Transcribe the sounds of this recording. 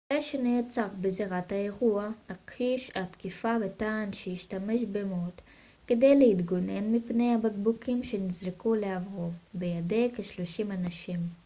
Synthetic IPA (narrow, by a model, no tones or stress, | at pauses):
ʁeʃeneat͡saʁbeziʁathae̞ʁuaakiʃat̪kifavetaːnʃejiʃtame̞ʃbemot̪ | ke̞de̞jlehit̪ɡo̞ne̞nmipne̞jhabaɡbukʰimʃe̞nizʁikuleavʁovbejadekeʃloʃimanaʃim